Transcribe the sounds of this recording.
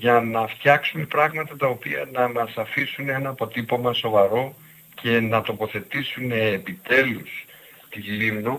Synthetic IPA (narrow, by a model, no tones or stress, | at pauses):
ʝɐnɐft̪çɐksume̞pɾɐɣmɐt̪ɐt̪ɐopiɐ̰nɐmɐsɐfisunee̞nɐːpo̞t̪ipomɐso̞vɐɾo̞ | cʰe̞nɐt̪o̞po̞θe̞t̪isune̞ːpit̪e̞lus | t̪ilimno